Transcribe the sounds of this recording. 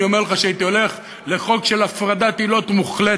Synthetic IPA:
io̞meʁleχaʃeait̪io̞le̞χ | le̞χo̞kʃe̞lafʁad̪at̪ilo̞t̪muχle

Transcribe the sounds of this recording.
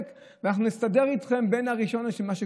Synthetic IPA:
k | veanaχnunistade̞ʁit̪χe̞mbe̞naʁiʃo̞naʃelmaʃe

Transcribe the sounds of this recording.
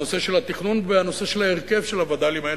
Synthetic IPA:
ose̞ʃe̞lhat̪iχnunveano̞se̞ʃelhaeʁke̞vʃelavad̪alimae

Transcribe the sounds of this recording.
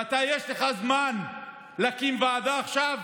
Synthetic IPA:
at̪ajeʃleχazman | lakimvaːd̪aːχʃav

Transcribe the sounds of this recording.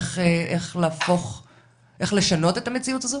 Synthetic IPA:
χeʔeχleːfo̞χ | ʔe̞χle̞ʃano̞t̪e̞t̪amet͡siutazo

